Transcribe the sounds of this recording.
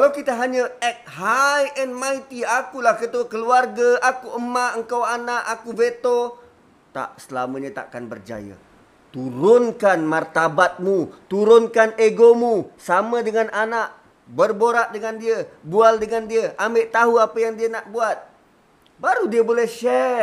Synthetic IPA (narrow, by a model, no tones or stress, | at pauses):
kalawkit̪əɦaɲəɛk̚ɦajʔɛnmajt̪iakulahkət̪uakəluarɡaʔakuʔəmaʔəŋkawanaʔakuvet̪o | t̪a̰ʔsəlaməɲət̪a̰ʔkanbərd͡ʒa̰jə̰ | t̪uɾʊnkanmart̪abat̪̚mut̪uɾʊnkaneɡomusamədəŋanʔanaʔ | bərboɾaʔdəŋandiəbualdəŋandiəʔameʔt̪aɦuapəjaŋdiənaʔbuat̪̚ | baɾudiəbolɛhʃɛ